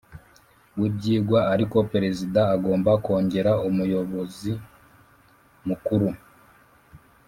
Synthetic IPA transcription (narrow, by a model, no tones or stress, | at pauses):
wubɟiːɡwaːɾiko̞peɾe̞zidaːɡo̞ːmbako̞ːɲɟe̞ɾaumujo̞βo̞zi | mukuɾu